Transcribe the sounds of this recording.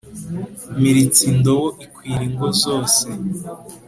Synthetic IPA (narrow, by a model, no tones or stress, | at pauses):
miɾit͡sindowoʔikwiːɾiŋɡozoːse